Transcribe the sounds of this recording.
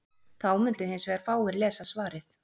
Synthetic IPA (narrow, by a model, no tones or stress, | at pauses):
θawmʏnt̪ʏɦejnsvɛːɣaɾ̥faːwɪɾlɛːsasvaːɾɪθ